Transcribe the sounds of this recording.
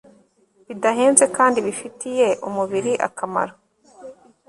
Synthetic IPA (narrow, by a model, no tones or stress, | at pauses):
βidaɦe̞ːnze̞kaːndiβifitije̞ʔumuβiɾiʔa̰kama̰ɾo